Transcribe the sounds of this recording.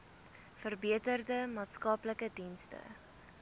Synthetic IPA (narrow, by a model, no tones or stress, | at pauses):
fərbiətərdəmɑːtskɐpləkədinstə̰